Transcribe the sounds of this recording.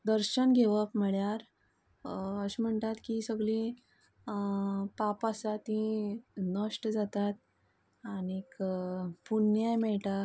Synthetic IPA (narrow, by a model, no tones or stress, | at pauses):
d̪əɾɕənɡʱeʋəpməɭjaɾ | əɕim̤əɳt̪at̪kisəɡɭĩ | papasat̪ĩnəʂʈd͡zat̪at̪̚ | anikpunjajmɛɭʈa